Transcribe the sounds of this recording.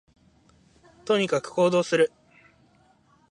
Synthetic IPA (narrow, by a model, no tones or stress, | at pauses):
t̪o̞ɲ̟ikakɯ̟̥kʰo̞ːd̪o̞ːsɨɾɯ̟